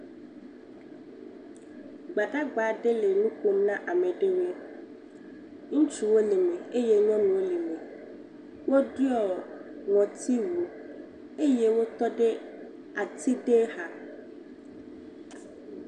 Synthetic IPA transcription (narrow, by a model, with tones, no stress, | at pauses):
ɡ͡ba˨ɖa˦ɡ͡ba˨ɖe˦le˨nũ˦ku˦nã˦ʔa˨mẽ˨ɖe˦we˦ | ŋũ˦t͡ʃu˨wo˦le˨me˨e˦je˦ɲɔ̃˦nũ˨wo˦le˨mẽ˨ | wo˦di˦ɔ˨ŋɔ̃˨t̪ʰi˦wu˨ | e˦je˦wo˦t̪ɔ˦ɖe˦ | a˨t̪ʰi˦ɖe˦ha˨